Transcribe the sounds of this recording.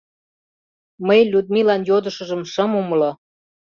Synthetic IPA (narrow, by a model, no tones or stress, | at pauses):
məjlʲud̪milɑnjod̪ə̆ʃɤ̆ʒə̆mʃɤ̆mumlo